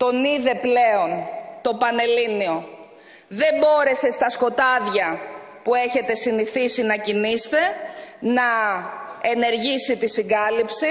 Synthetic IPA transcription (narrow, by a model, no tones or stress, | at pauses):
t̪o̞niðe̞ple̞o̞nt̪o̞pɐne̞linio̞ | ðe̞mbo̞ɾe̞se̞st̪ɐsko̞t̪ɐðʝɐ | pue̞çe̞t̪e̞siniθisinɐcinist̪e̞nɐ | e̞ne̞ɾʝisit̪isiŋɡɐlipsi